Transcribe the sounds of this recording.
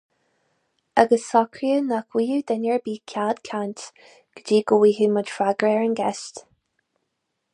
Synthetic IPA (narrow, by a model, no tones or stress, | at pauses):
aɡəsɔkʰɹiənakʰwiːhud̪ənjəɹbiːkʰad̪kʰant̪ | ɡ̥əd͡ʒiːɡəwiːhuməd̥fɹaɡɹɛɹənɡɛst̪